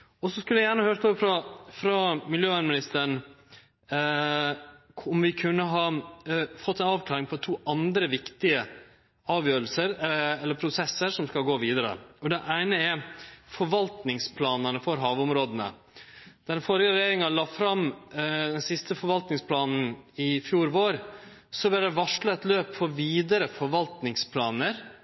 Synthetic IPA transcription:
ɔsɔskʉljæjæːɳəhøːɾt̪ʰɔːʋfɾɑfɾɑmɪljøːʋænmɪnɪst̪əəɳ | ɔmʋɪkʰʉnːəɦɑ | fɔt̪ːæɪnɑːʋklɑːɾɪŋpʰɔt̪ʰuːʔɑnd̪ɾəʋɪkt̪ɪə | ɑːʋjøːɾlsəɾɛlːəɾpʰɾʊsɛsːəɾʂɔmskɑlɡoːʋiːd̪əɾə̰ɔd̪ɛʔæɪnəɛfɔɾʋɑlt̪nɪŋspʰlɑːnənəfɔɾɦɑːʋʊmɾoːd̪ənə̰ | d̪̥æɾɖɛnfɔɾjəɾɛjeːɾɪŋɑlɑːfɾɑmd̪ɛnsɪst̪əfɔɾʋɑlt̪nɪŋspʰlɑːnn̩ɪfjuːɾʋoːɾsɔbɛɾd̪ɛʋɑʂɭɑɛt̪løːpfɔɾʋiːd̪əɾəfɔɾʋɑlt̪nɪŋspʰlɑːnəɾ

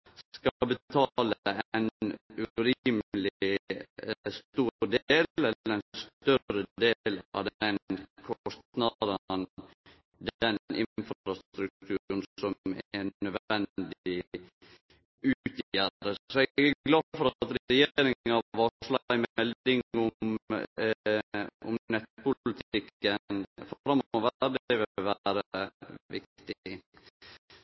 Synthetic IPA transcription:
skɑbət̪ʰɑləænʉɾiməlɪ | st̪uːɾd̪eːlɛləɾɛst̪œɾəd̪eːlɑ̰ʋd̪ɛnkʰɔst̪nɑd̪ən | d̪ɛnɪ̰nfɾɾɑst̪ɾʉk̚t̪ʰʉːɾn̩sɔmɛnːœd̪ɛnd̪ɪ | ʉt̪jædəsɔɛɡæɡlɑ̥ːfɔɾɑt̪ɾɛjeːɾɪŋɑʋɑʂlɑɪmɛlɪŋʊm | ʊ̰mnɛt̪̚pʰʊllət̪ʰɪkːənfɾɑmːɔʋæɾd̪ɛʋɪʋæɾəəʋɪkt̪ɪ

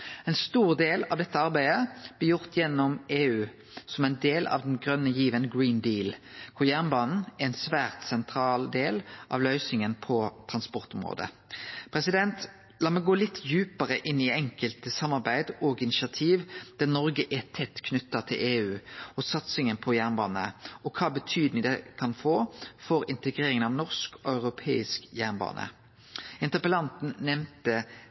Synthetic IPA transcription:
ɛɪnst̪uːʁd̪eːlɑʋd̪ɛt̪ːəɑʁbæɪəb̥lɪjʊʁt̪jɛnːɔmeːʉː | sɔmæɪnd̪eːlɑ̰ʋd̪ɛnɡʁœnːəjiːʋənɡɹiːnd̪iːlkkʰʊʁjæʁnbɑːnn̩æɛɪnsʋæːʁt̪sɛnt̪ʰɾɑːld̪eːlʔɑ̰ʋlœʏsɪŋənpʰɔt̪ʰʁɑnspɔʁt̪ʊmʁo̰ːd̪ə̰ | pʰʁɛsɪd̪ɛnt̪ | lɑːmɛɪɡoːlɪt̪ʰːjʉːpəʁəʔɪnːɪɛŋkəlt̪əsɑmːɑʁbæɪd̪ɔɡɪnɪʃɪɑt̪ʰiːʋd̪̥ænɔʁɡəʔɛt̪ʰɛt̪ːkʰnʉt̪ːɑt̪ʰɪ̰lʔeːʉːɔsɑt̪sɪŋənpʰɔjæːʁnbɑ̰ːnə̰ɔkʰɑːbət̪ʰyːd̪nɪd̪ɛkʰɑnfoːfɔɾɪnt̪əɡʁeːɾɪŋənɑʋnɔʁskɑʉʁʊpʰḛːɪskjæːʁnbɑ̰ːnə̰ | ɪnt̪əʁpəlɑnt̪n̩nɛmt̪ə

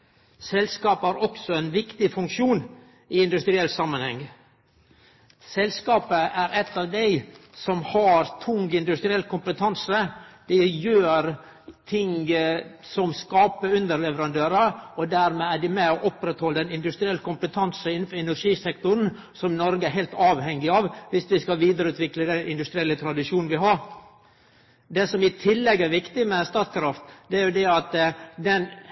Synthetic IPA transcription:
sɛlskɑːpəæɾɔksɔɛnʋɪkt̪ɪfʉŋkʂuːn | ɪɪnd̪ʉst̪ɾɪɛlːsɑmːənhɛŋ | sɛlskɑːpəʔæɾʔɛt̪ːɑːʋd̪æɪsɔmhɑɾt̪ʰʊŋɡɪnd̪ʉst̪ɾɪɛlkʊmpət̪ʰɑnsəd̪̥ɛjøːɾ | t̪ʰɪŋ | sɔmskɑːpəʉnd̪əɾlɛʋəɾɑnd̪øːɾəɔd̪æɾmɛæɖɪmɛɔʔɔpɾɛt̪hɔlːəd̪ɛnɪnd̪ʉst̪ɾɪɛləkʊmpət̪ʰɑnsəɪnn̩fɔɾɛnæɾʂiːsɛk̚t̪ʊn̩ | sɔmnɔɾɡəæɾɦɛɪlt̪ɑːʋɦɛŋːɪɑʋʋɪsʋɪskɑʋiːd̪əɾəʉːt̪ʋɪkləd̪ɛnɪnd̪ʉst̪ɾɪɛlːət̪ʰɾɑd̪ɪʂuːnn̩ʋɪɦɑɾ | d̪ɛsɔmɪt̪ʰɪlːɛɡːæɾʋɪkt̪ɪmɛst̪ɑːt̪skɾɑft̪d̪ɛæɾjʊd̪ɛɑt̪d̪ɛn

